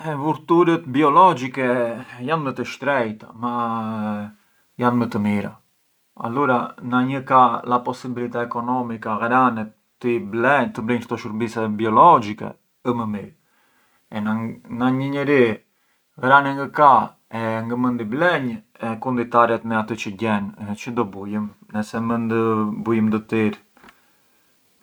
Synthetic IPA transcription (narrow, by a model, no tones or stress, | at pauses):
ɛvuɾt̪uɾət̪biɔlɔd͡ʒikɛjant̪mət̪əʃt̪ɾɛjt̪ama | janmət̪əmiɾa̰ | a̰luɾanaɲəkalapɔsibilit̪ɛɛkɔnɔmikaɣɾanɛ | t̪iblɛɲt̪əblɛɲkt̪ɔʃuɾbisɛbiɔlɔd͡ʒikɛ̰ | əməmiɾ | ɛnaɲəɲəɾi | ɣɾanɛŋɡəka | ɛŋɡəmənd̪iblɛɲ | ɛkund̪it̪aɾɛt̪mɛat̪ət͡ʃəɟɛnt͡ʃəd̪ɔbujəmnəsɛmənd̪əbujəmd̪ət̪iɾ